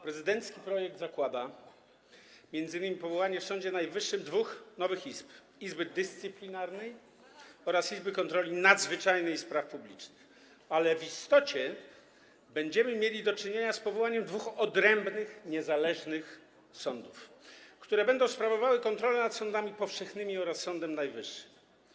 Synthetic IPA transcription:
pɾɛzɘd̪ɛnt̪skʲipɾɔjɛɡ̚d̪zakwad̪a | mʲjɛnd̪zɘnːɘmʲipɔvɔwaɲɛfsɔ̃ɲd͡ʑɛnajvɘʂːɘmd̪vuxnɔvɘxiz̥p | izbɘd̪ɘst̪sɘplʲinaɾnɛj | ɔɾasizbɘkɔnt̪ɾɔlʲinad̪zvɘt͡ʂajnɛjspɾafpublʲḭt͡ʂnɘx | alɛvist̪ɔt͡ɕɛ | bɛɲd͡ʑɛmɘmʲjelʲid̪ɔt͡ʂɘɲeɲaspɔvɔwaɲɛmd̪vuxɔd̪ɾɛmbnɘxɲɛzalɛʐnɘx | sɔnd̪ufkt̪uɾɛbɛnd̪ɔ̃w̃spɾavɔvawɘkɔnt̪ɾɔlɛnat̪sɔnd̪amʲipɔfʂɛxnɘmʲiɔɾasːɔnd̪ɛmnajvɘʂːɘ̥m

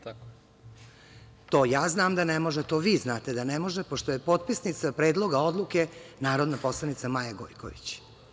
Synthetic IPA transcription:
t̪a | t̪o̞ːjaːznaːmd̪anemo̞ʒet̪oːʋiːznaːt̪ed̪anemo̞ʒepoʂt̪oje̞po̞t̪̚pisnit̪sapɾeːd̪lˠo̞ɡao̞d̪lˠuke̞naːɾo̞d̪napo̞slˠanit̪samajaɡo̰jko̰ʋḭt͡ɕ

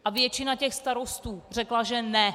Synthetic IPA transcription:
ʔavjɛt͡ʃɪnacɛxst̪aɾo̞st̪uːr̝ɛklaʒɛnɛ

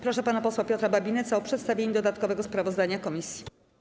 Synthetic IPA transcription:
pɾɔʂɛpanapɔswapʲɔt̪ɾababʲinɛt̪saɔpʂɛt̪st̪avʲjeɲid̪ɔd̪at̪kɔvɛɡɔspɾavɔzd̪aɲakɔmʲisʲji̥

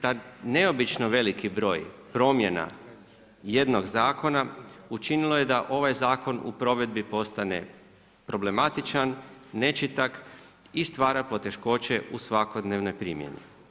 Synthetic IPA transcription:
t̪ane̞o̞bit͡ʃnoʋe̞likibɾo̞ːjpɾo̞ːmje̞na̰ | je̞d̪no̞ɡzaːko̞naut͡ʃinilˠo̞jed̪aʔo̞ʋajzaːko̞nṵpɾo̞ʋe̞d̪̚bipo̞st̪ane̞̰ | pɾo̞ble̞mat̪it͡ʃanːe̞t͡ʃit̪ak | ist̪ʋaːɾapo̞t̪e̞ʃko̞ːt͡ɕe̞ʔusʋako̞d̪neʋno̞jpɾimjḛnḭ

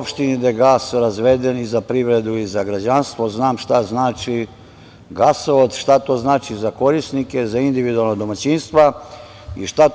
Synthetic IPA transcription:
pʃt̪inid̪ajeɡaːsɾazʋed̪enizapɾiʋɾed̪uizaɡɾad͡ʑanst̪ʋoznaːmʃt̪aznaːt͡ʃi | ɡasood̪ʃt̪at̪oːznaːt͡ʃizako̞ɾisnike̞zaind̪iʋid̪ualˠnad̪omat͡ɕinst̪ʋa | ḭʃt̪a

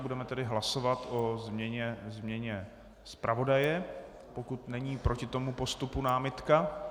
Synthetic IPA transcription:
budɛmɛt̪ɛdɪɦlaso̞vat̪o̞zmɲɛɲɛzmɲɛɲɛ | spɾʔavo̞dajɛ | po̞kut̪nɛɲiːpɾʔo̞cɪt̪o̞mupo̞st̪upunaːmɪt̪ka

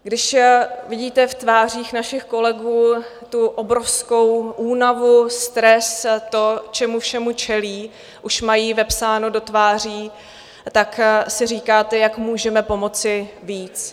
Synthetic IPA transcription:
ɡdɪʃvɪɟiːt̪ɛft̪vaːr̝iːxnaʃɪxko̞lɛɡuː | t̪uʔo̞bɾo̞fsko̞wʔuːnavust̪ɾɛst̪o̞t͡ʃɛmufʃɛmut͡ʃɛliː | ʔuʃmajiːvɛpsaːno̞do̞t̪vaːr̝iː | t̪aksɪriːkaːt̪ɛjakmuːʒɛmɛpo̞mo̞t͡sɪviːt͡s

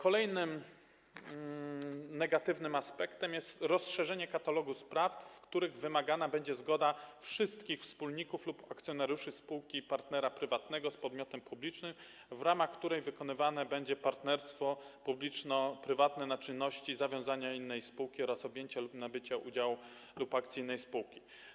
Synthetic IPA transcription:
kɔlɛjnɘm | nɛɡat̪ɘvnɘmaspɛkt̪ɛmjɛst̪ɾɔsʂɛʐɛɲɛkat̪alɔɡuspɾaftfkt̪uɾɘɣvɘmaɡanabɛɲd͡ʑɛzɡɔd̪afʂɘst̪kʲixfspulɲikuflupakt̪sʲjɔnaɾjuʂɘspuwkʲipaɾt̪nɛɾapɾɘvat̪nɛɡɔspɔd̪mʲjɔt̪ɛmpublʲit͡ʂnɘm | vɾamaxkt̪uɾɛjvɘkɔnɘvanɛbɛɲd͡ʑɛpaɾt̪nɛɾst̪fɔpublʲit͡ʂnɔpɾɘvat̪nɛnat͡ʂɘnːɔɕt͡ɕizavʲjɔ̃w̃zaɲainːɛjspuwkʲiɔɾasɔbʲjeɲt͡ɕalupnabɘt͡ɕaʔud͡ʑaw | lupakt̪sʲiinːɛjspuwkʲi

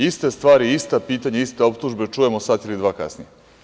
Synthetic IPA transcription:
ist̪e̞st̪ʋaːɾiist̪apiːt̪aɲeist̪eo̞pt̪uʒbe̞t͡ʃuje̞mosat̪ilid̪ʋaːka̰snije

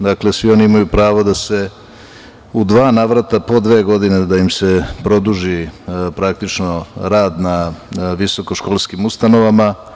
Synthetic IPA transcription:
d̪aklesʋio̞niimajupɾaːʋod̪ase̞ | ud̪ʋaːnaʋɾat̪apo̞d̪ʋe̞ːɡo̞d̪ined̪ajimse̞pɾo̞d̪uʒipɾak̚t̪it͡ʃno̞ɾaːd̪naʋiso̞ko̞ʃkoːlˠskimust̪ano̞ʋama

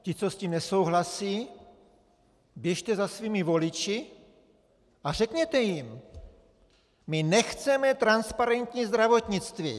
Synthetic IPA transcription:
cɪt͡sosciːmnɛsowɦlasiː | bjɛʃt̪ɛzasviːmɪvolɪt͡ʃɪ | ar̝ɛkɲɛt̪ɛjim | mɪnɛxt͡sɛmɛt̪ɾanspaɾɛnt̪ɲizd̪ɾavot̪ɲɪt͡st̪vḭː

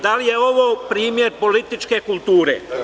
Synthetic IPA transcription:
d̪alijeo̞ʋoːpɾiːmjeɾpo̞lit̪it͡ʃkekulˠt̪uːɾḛ

